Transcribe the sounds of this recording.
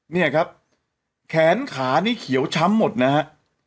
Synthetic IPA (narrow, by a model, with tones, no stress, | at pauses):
ni˥˩ɐkʰa˦˥p̚ | kʰɛː˩˦nkʰaː˩˦niː˥˩kʰi˩˦əwt͡ɕʰa˦˥mːo˨˩t̪̚na˦˥ɦa˦˥ʔ